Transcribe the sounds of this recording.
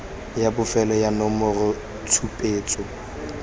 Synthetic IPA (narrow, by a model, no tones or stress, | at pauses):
jabʊfɛlɔjanɔmɔrʊ | t͡sʰupʼeːt͡sʼɔ